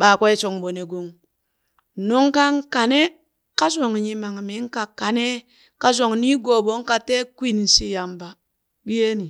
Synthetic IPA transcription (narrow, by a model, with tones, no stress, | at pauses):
ɓa˨ka˦e˦t͡ʃo˨ŋ̩˨bo˨ne˨ɡo˦ŋ̩˨ | no˦ŋ̩˦ka˦ŋ̩˦ka˨ne˦ | ka˦so˨ŋa˨ɲi˦ma˨ŋa˨mi˨˦ŋ̩˦ka˦ka˨ne˦ | ka˦z̬o˨ŋ̩˨ni˦ɡo˨bo˦ŋ̩˦ka˦te˦kʷi˦n˨n̩˨si˦ja˨m̩˨˦ba˦ | bi˦je˦ni˨